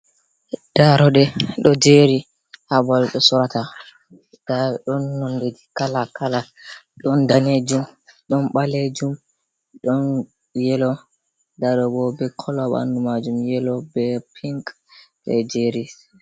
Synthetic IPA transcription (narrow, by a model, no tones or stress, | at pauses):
d̥aɾɔɗɛɗɔd͡ʒeɾi | habalɗɔsɔɾata | d̥aɗɔnːɔndedikalakalaɗɔndaned͡ʒumɗɔnɓaled͡ʒum | ɗɔn | jɛlɔ | daɗɔɡɔbɛkʰɔlɔɓa̰ndumad͡ʒumjɛlɔbɛpʰiŋk | ɓɛ̰d͡ʒeɾi